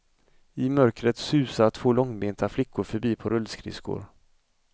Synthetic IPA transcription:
ɪmœɾkɾət̪sʉ̟ːsat̪ʰv̥oːlɔŋbeːnt̪ʰaflɪkːʊɾfœɾbiːpʰɔɾɵlskʰɾɪ̰skʊ̰ɾ

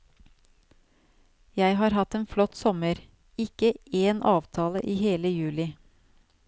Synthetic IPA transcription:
jæɪhɑːɾhɑt̪eːnflɔt̪sɔməɾ | ɪkəeːnʔɑːʋt̪ʰɑːlə̰ʔiːheːləjʉːlɪ

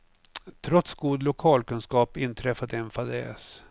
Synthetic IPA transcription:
t̪ʰɾɔt̪sɡuːd̪lʊkʰɑːlkɵnskɑːpɪnt̪ʰɾɛfad̪ɛnfad̪ɛ̰ːs

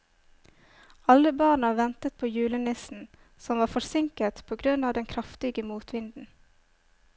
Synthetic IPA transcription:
ɑləbɑːɳəʋɛnt̪ət̪̚pʰoːjʉːlənɪsn̩ | sɔmʋɑːfɔsɪŋkət̪pʰoːɡɾʉnɑːʋd̪ɛnkʰɾɑft̪ɪɡəmuːt̪ʰʋɪnd̪n̩

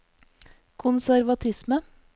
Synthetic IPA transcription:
kʰʊnsæɾʋɑt̪ʰɪsmə

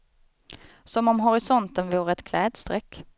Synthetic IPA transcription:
sɔmɔmɦʊɾɪsɔnt̪ənvuːɾəɛt̪kʰlɛːd̪st̪ɾɛkː

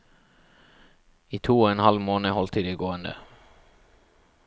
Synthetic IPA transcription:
iːt̪ʰuːɔɛnhɑlmoːnəhɔlt̪ʰəd̪iːɡoːənd̪ə̰

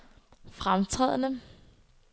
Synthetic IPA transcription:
fʁamt͡sʰʁɛ̰ð̰ˠnə

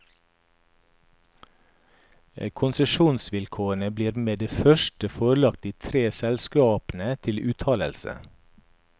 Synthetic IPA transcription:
kʰʊnsəʃuːnsʋɪlkʰoːəɳəbliːɾmeːd̪eːfœʃʈəfoːɾlɑk̚t̪iːt̪ʰɾeːsɛlskɑːpn̩ət̪ʰɪlʔʉːt̪ʰɑːlə̰lsə̰

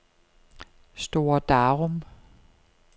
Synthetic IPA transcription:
sd̥o̝ːɐd̥ɑʁɔm

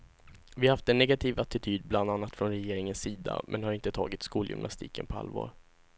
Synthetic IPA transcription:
vɪahaft̪ɛnːɛɡat̪ʰiːvat̪ɪt̪ʰyːd̪bland̪anːat̪fɾɔnɾɛjeːɾɪŋənsiːd̪a̰mʔɛ̰nhaɾɪnt̪ət̪ʰɑːɡɪt̪skuːljʏ̰mnʔa̰st̪ḭːkə̰npʰɔa̰lvɑ̰ːɾ

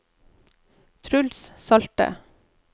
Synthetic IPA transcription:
t̪ʰɾʉlssɑlt̪ə̰

